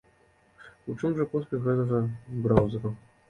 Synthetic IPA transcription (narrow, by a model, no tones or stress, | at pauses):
ut͡ʂɨmʐɐpɔs̬ʲlʲɛxɣɛt̪ɐɣɐbɾawzɐɾɐ